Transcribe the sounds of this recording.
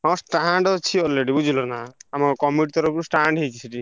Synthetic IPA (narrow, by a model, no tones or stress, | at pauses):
ɦãsʈaɳɖɔt͡ʃʰiɔlːeɽibud͡ʒʱilɔnaamakɔkɔmiʈt̪ɔɾɔpɾusʈaɳɖɦekisʰiʈi